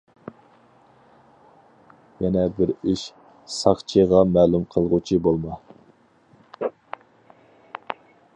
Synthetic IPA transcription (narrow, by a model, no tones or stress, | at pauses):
jɛnɛbɪɾiʃ | sɑχt͡ʃʰiʁɑmɛːlumqʰəlˠʁut͡ʃʰibolˠmɑ